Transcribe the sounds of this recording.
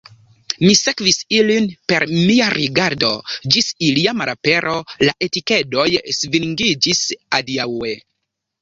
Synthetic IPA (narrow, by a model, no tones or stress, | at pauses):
mise̞kvisilinpe̞ɾmiaɾiɡaɾdo̞̰d͡ʒisiliamaɾape̞ɾʔo̞laʔe̞tike̞do̞jsviŋɡid͡ʒisadiawe̞